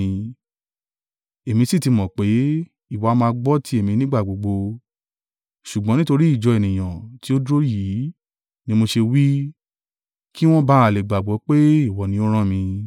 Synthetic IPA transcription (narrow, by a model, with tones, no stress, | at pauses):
e˨mĩ˧si˦˨ti˧mɔ̃˨k͡pe˨˦ | i˦˨wa˨˦mãː˧ɡ͡bɔ˦ti˦e˦˨mĩ˧nĩ˦ɡ͡ba˦˨ɡ͡bo˨ɡ͡bo˧ | ʃu˨ɡ͡bɔ̃˨˦nĩ˦to˧ɾi˦i˦˨d͡ʒɔ˨˧e˨nĩ˨j̃ã˨ti˨˦o˦dɾo˦ji˨˦ | nĩ˦mo˧ʃe˧wi˦ | ki˦w̃ɔ̃˦ba˦a˨le˨ɡ͡ba˨ɡ͡bɔ˨˦k͡pe˦i˦˨wɔ˨˦nĩ˨˦o˦ɾ̃ã˦˨mĩ˧